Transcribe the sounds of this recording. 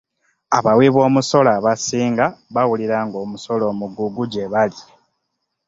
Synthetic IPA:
aβawiβo̞ːmuso̞laβasiːŋɡaβawuliɾaːŋɡo̞ːmuso̞lo̞ːmuɡuɡuɟeβali

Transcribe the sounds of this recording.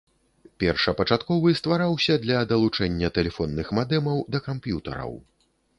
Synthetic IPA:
pʲɛrʂɐpɐt͡ʂat̪kɔvɨst̪vaɾawsʲɐd̪lʲɐd̪ɐlˠut͡ʂɛnʲːɐt̪ɛlʲɛfɔnːɨxmad̪ɛmɐwd̪ɐkampjut̪ɐ̰ɾɐ̰w

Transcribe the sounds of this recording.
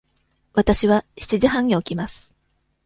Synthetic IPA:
βat̪aɕiβaɕi̥t͡ɕiʑiɦãɲ̟iokʲimasɨ̥

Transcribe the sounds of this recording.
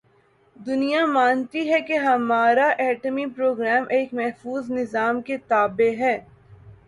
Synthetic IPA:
d̪ʊnijamaːnt̪iɦɛkeɦɐmaːɾaʔɛːʈəmipɾoːɡɾɛːmʔeːkmɛɦfuːznɪzaːmket̪aːbeɦɛː

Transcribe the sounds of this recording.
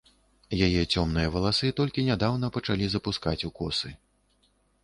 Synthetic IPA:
jajɛt͡sʲɔmnɨjɐvɐlˠasɨt̪ɔlʲkʲinʲad̪awn̪ɐpɐt͡ʂalʲizɐpuskat͡sʲukɔsɨ

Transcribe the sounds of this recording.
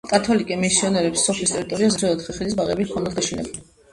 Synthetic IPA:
kʼat̪ʰɔlikʼɛmisiɔnɛɾɛpsːɔpʰlist̪ʼɛɾit̪ʼɔɾiazɾɛɔt̪ʰχiχilisbaʁɛ̰biɔnad̪ɡaʃinɛ̰b

